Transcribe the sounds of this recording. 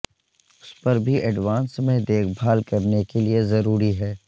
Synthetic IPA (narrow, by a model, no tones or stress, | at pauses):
ʊspɐɾbʱiʔɛɖʋãːnsmẽd̪eːkʰbʱaːlkɐɾnekeliezɐɾuːɾiɦɛː